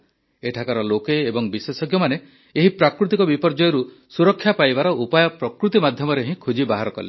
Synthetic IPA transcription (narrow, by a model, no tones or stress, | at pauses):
eʈʰakaɾɔlokeːbɔŋbisesɔɡjɔmane | eɦipɾakɾut̪ikɔbipɔɾd͡ʒɔjɔɾu | suɾɔkʰːjapajbaɾɔʔupajɔpɾɔkɾut̪imad̪ʱjɔmɔɾeɦĩkʰud͡ʒibaɦaɾɔkɔ̰le